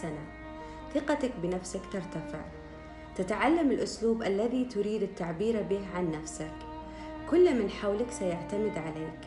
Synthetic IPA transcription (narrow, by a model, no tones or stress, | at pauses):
ana | θɪqɑt̪akbɪnafsakt̪ɪɾˤt̪afɪ̰ʕ | t̪ɪt̪ʕalːamɪlʔʊsluːbʔalːaðit̪ʊɾiːd̪ɪt̪ːaʕbiːɾabiːhʕanːafsak | kʊlːmɪnħawlaksajaʕt̪amɪd̪ʕaleːk